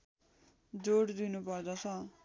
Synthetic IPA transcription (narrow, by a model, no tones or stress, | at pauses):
d͡zoɽd̪inupʌrd̪ʌt͡sʰʌ